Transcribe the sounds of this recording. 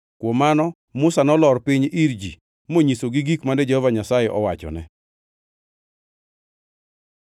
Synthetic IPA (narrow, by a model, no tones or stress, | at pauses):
kwɔmanɔ | mʊsanɔlɔrpiɲiɾd͡ʒi | moɲisoɡiɡikmandɛd͡ʒɛhɔvaɲasajɛʔɔwat͡ʃɔ̰nɛ